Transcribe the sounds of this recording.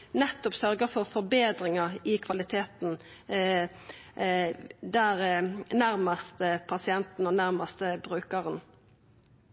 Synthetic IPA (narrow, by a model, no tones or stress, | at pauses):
nɛt̪ːɔpsœɾɡəfɔʁfɔɾbeːd̪ɾɪŋɑɪkʰʋɑlɪt̪ʰeːt̪n̩ | d̪æʁnæɾmɑst̪əpʰɑsɪɛnt̪n̩ɔnæɾmɑst̪əbɾʉːkəʁən